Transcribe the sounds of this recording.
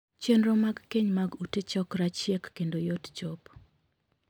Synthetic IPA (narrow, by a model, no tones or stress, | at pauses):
t͡ʃenɾomaɡkeɲmaɡutet͡ʃɔkɾat͡ʃjɛkːendojott͡ʃɔp